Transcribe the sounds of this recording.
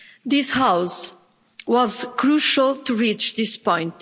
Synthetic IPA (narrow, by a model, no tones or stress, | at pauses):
d̪ɪshaws | wɔzkʰɹuʃalˠtuɹit͡ʃd̪ɪspɔ̃ɪ̃nt